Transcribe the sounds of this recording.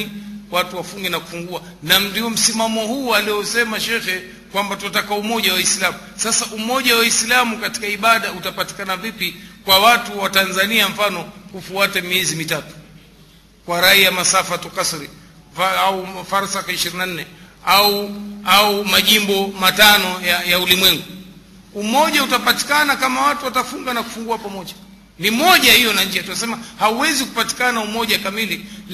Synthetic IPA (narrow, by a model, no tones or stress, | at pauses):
iwatuwafuŋɡɛnaku̥fuŋɡua | nandiɔm̩simamɔhualiɔsɛmaʃɛxɛ | kwambatuatakaumɔʄawaislamusasaʔumɔʄawaislamukati̥kaiɓaɗautapati̥kanavipikwawatuwatanzaniam̩fanɔkufuatɛmiɛzimitatu̥ | kwaɾaijamasafatɔkasɾi | aufaɾsakaiʃiɾinan̩nɛauaumaʄimbɔmatanɔjajaulimwɛŋɡu | umɔʄautapati̥kanakamawatuwatafuŋɡanaku̥fuŋɡuapamɔʄa | nimɔʄahijɔnaɲd͡ʒijatunasɛmahauwɛziku̥pati̥kanaumɔʄakamili